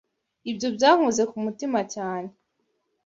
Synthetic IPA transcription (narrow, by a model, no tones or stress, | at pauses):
ibɟo̞bɟaːŋ̥uze̞kumutimacaːne